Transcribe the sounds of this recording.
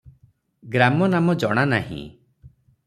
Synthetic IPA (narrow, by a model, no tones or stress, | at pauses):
ɡɾamɔnamɔd͡ʒɔɽ̃anaɦḭ̃